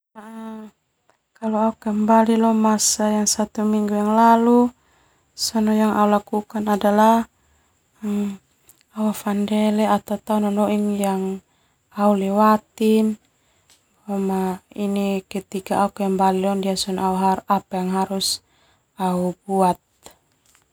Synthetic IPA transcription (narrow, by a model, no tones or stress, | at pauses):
naʔa | kalɔaukɛmbalilɔmasajaŋsat̪umiŋɡujaŋlalu | sɔnɔjaŋʔa̰ulakukanadalah | m | aafandɛlɛat̪at̪aunɔnɔʔiŋjaŋ | aulɛwat̪in | ɔmainikɛt̪ikaːukɛmbalilɔndiasɔnɔauɦaapajaŋɦaɾus | aubuat̪̚